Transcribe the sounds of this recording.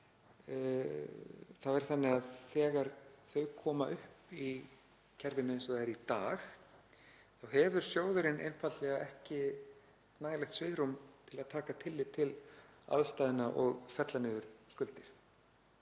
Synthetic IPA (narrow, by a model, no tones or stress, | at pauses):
θawvɛɾ̥θanːɪaðθɛːɣaɾθœɥkʰɔːmaʔʏhpi | cʰɛɾvɪnʏensɔðaɛɾit̪aːɣ | θawɦɛvʏɾ̥sjoːwðʏɾɪnʔḛjnfat̪lɛɣaɛhcɪ | t̪naːjlɛxt̪svɪɣɾumt̪ʰɪlaðt̪ʰaːkat̪ʰɪlːɪt̪ʰɪla̰ðst̪aːjðɪnaʔɔɣfɛt̪lanɪvʏɾ̥skʏlt̪ɪɾ̥